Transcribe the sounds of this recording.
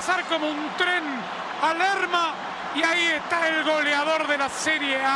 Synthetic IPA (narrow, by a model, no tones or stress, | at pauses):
saɾko̞mount̪ɾe̞n | aleɾma | iaie̞st̪aelɣo̞leaðo̞ɾðe̞laseɾjea